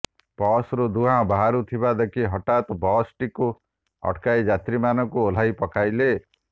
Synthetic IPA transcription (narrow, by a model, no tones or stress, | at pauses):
pɔsɾud̪uɦãbaɦaɾut̪ʰibad̪ekʰiɦɔʈat̪ɔbɔsʈiku | ɔ̰ʈkajd͡ʒat̪ɾimanɔkuol̤ajpɔkajle